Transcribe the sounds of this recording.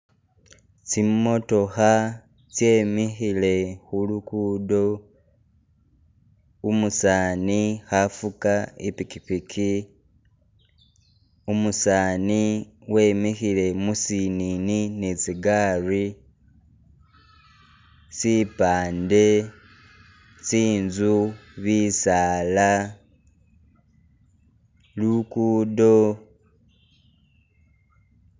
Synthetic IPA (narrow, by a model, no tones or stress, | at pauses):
t͡simmːo̞to̞xa | t͡sje̞mixile̞xulukudo | umusaːnixafukaipikipikʰi | umusaːni | we̞ːmixile̞musinininet͡siɡaːri | sipaːnde̞ | siːnzuβiːsaːla | lukuːdo